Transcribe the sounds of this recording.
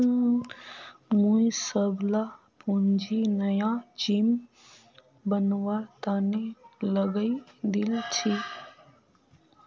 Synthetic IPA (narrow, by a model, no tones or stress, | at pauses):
mũisəbla | pund͡ʒinəjãd͡ʒim | bənwat̪aneləɡəid̪ilt͡ʃʰi